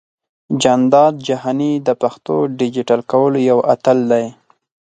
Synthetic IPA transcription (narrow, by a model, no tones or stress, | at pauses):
d͡ʒand̪ɑd̪̚d͡ʒaɦɑnid̪əpaxt̪oɖɪd͡ʒɪʈalkawəlojawat̪əld̪aj